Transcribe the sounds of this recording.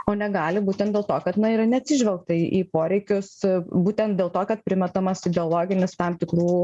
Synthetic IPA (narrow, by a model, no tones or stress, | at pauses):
oːnʲɛɡɑːlʲɪbuːt̪ʲɛnd̪̚dʲeːlˠt̪oːkɐt̪nɐɪɾɐnʲɛɐt̪ʲsʲɪʒʲʋʲɛlˠk̚t̪ɐiʔiːpoːɾʲɛɪkʲʊsbuːt̪ʲɛnt̪d̪ʲeːlˠt̪oːkɐt̪̚pʲɾʲɪmʲɛt̪ɐmɐsɪd̪ʲɛolˠoːɡʲɪnʲɪst̪ɑmt̪ʲɪkɾuː